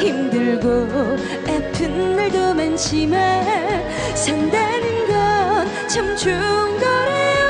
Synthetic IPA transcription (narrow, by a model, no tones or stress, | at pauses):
himdɯɭɡo | epʰɯnɯɭdomanɕʰima | sandanɯnɡʌn | t͡ɕʰʌmt͡ɕuŋɡʌɾe